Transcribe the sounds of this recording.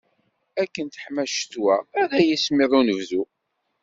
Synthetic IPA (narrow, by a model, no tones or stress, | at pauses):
ækːənt̪ə̥ħmæʃt̪wææɾæjismiðˤunəvzu